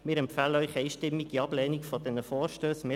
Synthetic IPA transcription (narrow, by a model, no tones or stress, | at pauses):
mɪːɾɛmpfæləœʏχɛjʃtɪmːiɡ̥iɑb̥lɛːnikfɔd̥̪ɛnəfɔːɾʃtøːsmɪ